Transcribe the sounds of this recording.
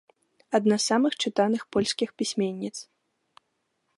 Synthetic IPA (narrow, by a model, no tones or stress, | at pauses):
ɐd̪nasːamɨxt͡ʂɨt̪anɨxpɔlʲsʲkʲixpʲisʲmʲɛnʲːit̪s